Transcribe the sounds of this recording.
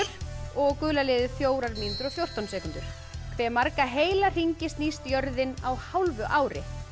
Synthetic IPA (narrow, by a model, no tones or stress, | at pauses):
ʏɾ̥ɔɣkʏːlalɛɪːðɪθjoːwɾaɾmint̪ʏɾɔɣθjowr̥t̪awnsɛːkʏnt̪ʏɾ̥ | kʰvɛːmaɾkaɦeːjlar̥iɲcɪst̪niːst̪jœɾðɪnawhawlvʏʔaːwɾɪ̰